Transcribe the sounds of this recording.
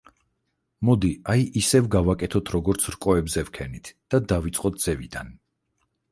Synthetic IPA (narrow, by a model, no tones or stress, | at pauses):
mɔd̪iajisɛvɡavakʼɛt̪ʰɔt̪ʰɾɔɡɔɾt̪sʰɾkʼɔɛbzɛvkʰɛnit̪ʰd̪̥ad̪avit̪sʼqʼɔt̪̚d̪z̥ɛvid̪an